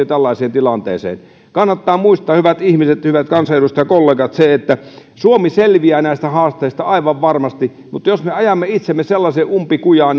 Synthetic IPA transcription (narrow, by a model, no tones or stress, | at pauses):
øt̪ælːɑˑiseːnt̪ilɑnt̪ḛːsḛːn | kɑnːɑt̪ːɑːmuist̪ˑɑːhyʋæt̪ihmiset̪hyʋæt̪kɑnsɑelust̪ɑjɑkolːeːkɑt̪seet̪ːæsuomiselʋiæːnæˑist̪æhɑːst̪eist̪ɑɑˑiʋɑʋʋɑrmɑst̪i | mut̪ːˑjosmeɑjɑmːeit̪semːeselːɑseːʔʔumpikujɑːn